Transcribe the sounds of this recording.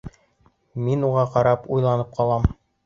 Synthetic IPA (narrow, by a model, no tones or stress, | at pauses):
minuʁɑqɑɾɑpujlˠɑnɤp̚qɑlˠɑm